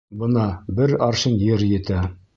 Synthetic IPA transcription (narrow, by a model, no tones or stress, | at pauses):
bɤnɑbɘɾɑɾʃɤnjɘ̆ɾjɘ̆t̪æ